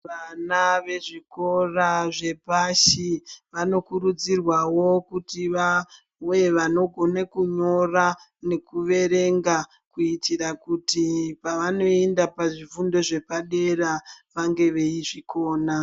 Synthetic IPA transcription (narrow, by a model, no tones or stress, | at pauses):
ʋanaʋe̞ʐiko̞raʐe̞paʃiʋano̞kuɾud͡zirwawo̞kutiʋa | ojeʋano̞ɡʱo̞nakuɲo̞ra | ne̞kuʋe̞ɾe̞ŋɡa | kuitirakutipaʋano̞endapaʐivundo̞ʐe̞paɗe̞raʋaŋɡe̞ʋeiʐiko̞ːna